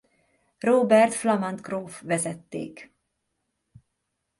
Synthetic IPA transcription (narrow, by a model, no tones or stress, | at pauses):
ɾoːbæɾt̪flamant̪kʰɾoːfvɛsɛt̪ːɪ̰ːk